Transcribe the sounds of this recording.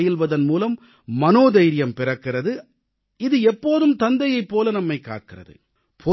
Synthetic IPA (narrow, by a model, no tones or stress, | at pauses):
jɪlʋɐðɐnmuːlɐmː | ɐnoːðɐɪɾɪjɐmpɪrɐkːɪrɐðɯ | ɪðɯɛpːoːðɯmt̪ɐnd̪ɐjɐɪpːoːlɐnɐmːɐɪkːa̰ːʈ̚kɪrɐ̰ðɯ̰ | pʰɔ